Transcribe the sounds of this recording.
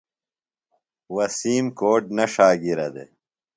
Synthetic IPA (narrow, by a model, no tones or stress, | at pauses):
wɐsiːmkoːʈ̚nɐʂaːɡiɾɐd̪ḛ